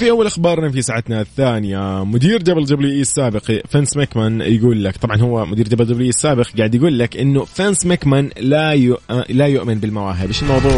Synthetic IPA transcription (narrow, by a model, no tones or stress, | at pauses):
fiʔawːalʔaxbɑːɾˤnafisaːʕat̪naθːaːnɪjamʊd̪iːɾd͡ʒablɪd͡ʒabliʔiːɪsːaːbɪqfansmakmanjɡuːlːakt̪ˤɑbʕɑnhʊwːamʊd̪iːɾd͡ʒabld͡ʒabliːɪsːaːbɪqɡaːʕd̪jaɡuːlːakʔɪnːʊfansmakmanlajʊʔlajʊʔmɪnbɪlmɑɾˤɑːɦɪbɪʃɪlmɑwðˤuːʕ